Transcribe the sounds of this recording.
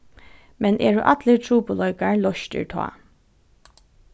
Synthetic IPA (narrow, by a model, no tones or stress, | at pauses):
mɛnʔɛːɹʊʔat̪lət̪ʰɾuːpʊlɔʏkaɹlɔʃt̪ɪ̰ɹt̪ʰɔ̰ː